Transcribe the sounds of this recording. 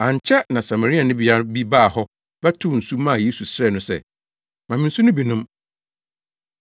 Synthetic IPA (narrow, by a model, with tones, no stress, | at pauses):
ã˨ɲ˨t͡ɕʰɛ˦nã˨sa˨ma˨ɾi˦a˨nʊ̃˦bi˨a˦bi˦baː˦˨hɔ˦ | b̥ɛ˦tʰʊ˦˨n̩˨su˦mã˦˨je˦su˨sɾɛ˦˨nʊ̃˦sɛ̰˦˨ | mã˨mɪ̃˦n̩˦su˦nʊ̃˦bi˨nʊ̃˦m